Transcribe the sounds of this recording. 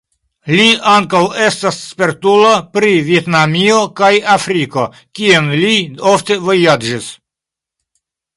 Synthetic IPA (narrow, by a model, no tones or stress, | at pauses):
liaŋkawe̞stasːpeɾtulo̞pɾivietnamio̞kajafɾiko̞ | kienliofte̞vo̞jad͡ʒis